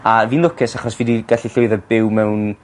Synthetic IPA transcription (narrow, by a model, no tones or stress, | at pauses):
aviːnlˠʊkʰɪsaχɔsvidiɡ̥aɬiɬʊɨðɛbɪwmɛwn